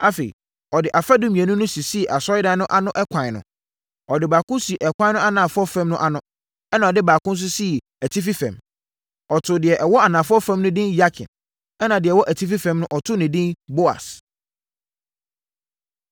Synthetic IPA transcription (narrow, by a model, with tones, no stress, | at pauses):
a˦fe˨ḭ˨ | ɔ˨dɪ˨ʔa˨fa˦dʊ̃˦mĩ˨æ˨nʊ̃˦nʊ̃˦si˨si˦˨ʔa˨sɔ˦ɪ˦dã˨n˦nʊ̃˦ʔa˦nʊ̃˦ʔɛ˦kʷʰã˨nʊ̰̃˨ | ɔ˨dɪ˨baː˨kʊ̃˦si˨ʔɛ˨kʷʰã˦nʊ̃˦a˦nãː˨fʊ˦ɔ˦fɛ̃˦mnʊ̃˦ʔa˨nʊ̃˦ | ɛ˦nã˨ɔ˨dɪ˦baː˨kʊ̃˦n̩˦s̬ʊ˦si˦˨ | æ˨tʰi˦fi˦fɛ̰̃˨m | ɔ˨tʰʊ˨dɪ˨ɛ˨ʔɛ˨wɔ˦a˨nãː˨fʊ˦ɔ˦fɛ̃˦mnʊ̃˦dɪ̃˦nja˦kʰɪ̰̃˨n | ɛ˦nã˨dɪ˨ɛ˨wɔ˦ʔæ˨tʰi˦fi˦fɛ̃˨mnʊ̃˦ʔɔ˨tʰʊ˦nɪ̃˨dɪ̃˦nbo˦a̰˨s